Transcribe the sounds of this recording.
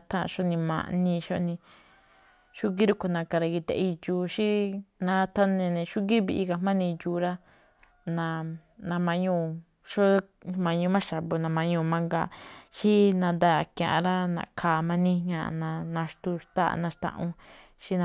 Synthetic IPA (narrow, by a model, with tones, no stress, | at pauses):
t̪ʰã˦ʔʃo˦nĩ˧mã̰˧˨ʔnĩ˧ʃo˦˧nĩ˧ | ʃu˦ɡi˦ɾu˦ku˧nã˧ka˧ɾa˧ɣi˧t̪e˧i˧juː˧ʃi˦nã˧t̪a˦nẽ˧nẽ˧ʃu˦ɡi˦βi˧ʔi˧ka˧mã˦nĩ˧juː˧ɾa˦ | nã˧ | nã˧mã˧ɲũ˦˧ | ʃo˦ | mã˧ɲũ˧˦mã˦ʃa˨βo˧nã˧mã˧ɲũː˧mã˧ŋɡa˧ʃi˦nã˧nd̪a˦˨kã˧˨ʔã˧ɾa˦nã̰˨kʰaː˧˨mã˧nĩ˦ɲã˧ʔnã˧nã˧ʃt̪u˧ʂt̪a̰˦˧˨nã˧ʂt̪ã̰˧ʔũ˧ | ʃi˦n˧